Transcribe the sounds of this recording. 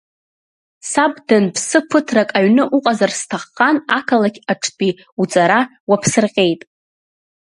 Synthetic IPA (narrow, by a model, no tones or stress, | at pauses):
sabdɨnpʰsɨpʰɨtʰrakʼaɥnɨʔuqʼazarstʰaχqanakʰalakʲʰaʈ͡ʂʰtʼi | ut͡sʼaɾawapʰsɨrqʲʼe̞jtʼ